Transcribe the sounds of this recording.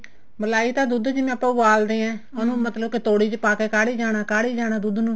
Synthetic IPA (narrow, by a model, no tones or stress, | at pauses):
bəlaːiːt̪ãːd̪ud̪d͡ʒɪmẽːpaːuʋaːld̪eːɛ̃ːʊnũːmət̪ləbkɪt̪oːɽiːt͡ʃpaːkeːkaːɽiːd͡ʒaːñaːkaːɽiːd͡ʒaːɽaːd̪ud̪nũː